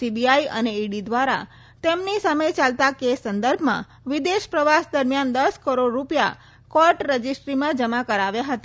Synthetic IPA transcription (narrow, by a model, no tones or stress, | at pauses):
ibiaiə̰neiɖid̪ʋaɾa̰ | t̪emnisaməjt͡ʃalt̪akesːənd̪əɾbʱmã̰ | ʋid̪eʃpɾəʋasd̪əɾmjand̪əskəɾoɽːupja̰ | kɔɾʈɾəd͡ʒisʈɾimãd͡ʒəmakəɾaʋjaɦət̪a